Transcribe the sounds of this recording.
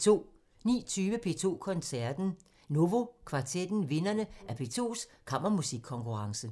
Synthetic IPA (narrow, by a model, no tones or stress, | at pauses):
t͡sʰo̝̰ː | nḭːt͡sʰyːʋəpʰe̝̰ːt͡sʰo̝̰ːkʰɒ̽nsæɐd̥n̩ | no̝ʋo̝kʰʋɑ̈t͡sʰed̥n̩ʋe̝nɐnəʔæɐpʰe̝̰ːt͡sʰo̝̰ːskʰɑ̈m̰ɐmusiɡ̥ʰːɒ̽ŋkʰuʁɑ̈ŋsə